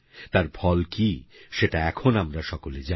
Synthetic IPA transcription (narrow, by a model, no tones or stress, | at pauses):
t̪aɾbʰʱɔlkiʃeʈaɛkʰonamɾaʃɔkoled͡ʑa